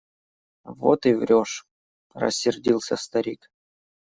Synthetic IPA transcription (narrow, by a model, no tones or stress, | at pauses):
vo̰t̪ɨvɾʲoʂ | rə̰sʲːɪrdʲilˠsʲəst̪ɐɾʲik